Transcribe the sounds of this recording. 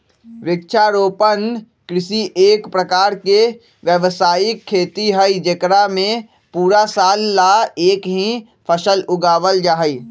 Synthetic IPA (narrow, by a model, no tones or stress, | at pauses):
ʋɪk̚t͡ʃʰaɾoːpən | kɾɪsiʔeːkpɾəkaːɾke | ʋjəʋsaːjɪkʰːeːt̪iɦəid͡ʒəkɾamẽ | puːɾasaːlːaeːkɦĩ | pʰəʃəlʊɡaːʋəld͡ʒaːɦi